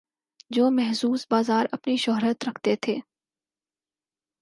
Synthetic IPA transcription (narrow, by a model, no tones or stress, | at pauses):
d͡ʒoːmɛɦsuːsbaːzaːɾɐpniʃʊɦɾət̪ɾɐkʰt̪et̪ʰeː